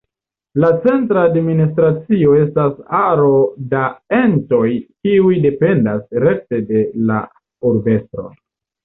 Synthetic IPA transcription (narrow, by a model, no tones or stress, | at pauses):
lat͡se̞ntɾaːdministɾat͡sio̞e̞stasaɾo̞dae̞nto̞jkiujde̞pe̞ndasɾe̞k̚te̞de̞la̰ | uɾbe̞stɾo̰